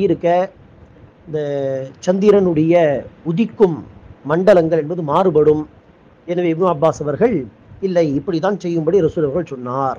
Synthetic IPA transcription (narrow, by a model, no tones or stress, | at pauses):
jɪɾɯkːɐ | ɪnd̪ɐt͡ʃɐnd̪iɾɐnɯɽɐjɐʊðɪkːɯmːɐɳɖɐlɐŋɡɐɭɛnbɐðɯmaːrɯpɐɽɯm | ɛnɐʋeːɪbnɯɐbːaːsɐʋɐɾɣɐɭ | ɪlːɐɪɪpːɐɽit̪ːãːnsɛjːɯmbɐɽiɾɐsuːɾɐʋɐɾɣɐɭsɔnːaːɾ